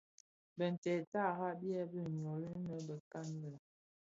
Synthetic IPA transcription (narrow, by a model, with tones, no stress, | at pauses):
bə˨n̩˨tɛ˨ta˦˨ɦa˦bjɛ˦bə˦ɲ˨ɔ˨li˦nə˨˦bə˨ka˦n˦də˨